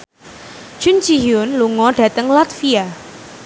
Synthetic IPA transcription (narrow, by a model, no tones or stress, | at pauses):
d͡ʒ̥und͡ʒijʊnluŋɔɖ̥ä̤t̪əŋlat̪fia